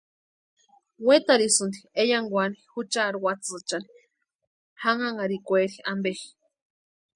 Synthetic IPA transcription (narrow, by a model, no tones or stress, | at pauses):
wet̪aɾisɨnd̪iejaŋɡʷanihut͡ʃaɾuwat͡sɨt͡ʃani̥ | haŋaŋaɾikʷeɾiambexi̥